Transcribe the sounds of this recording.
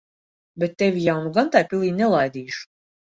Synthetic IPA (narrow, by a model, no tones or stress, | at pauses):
bɛt̪ːɛvʲijawnuɡant̪ajpilˠiːnʲɛlˠajd̪iːʃu̥